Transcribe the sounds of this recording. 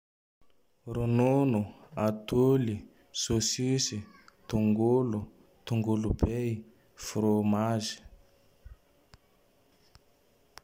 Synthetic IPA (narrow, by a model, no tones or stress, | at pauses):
rununuatuli | sosisit̪uŋɡulɔ | t̪uŋɡulubei | fuɾomaːzi̥